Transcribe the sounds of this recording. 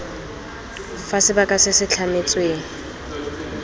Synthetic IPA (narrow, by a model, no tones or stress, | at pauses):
fasɪbakʼasɪsɪt͡ɬʰamet͡sʼweːŋ̩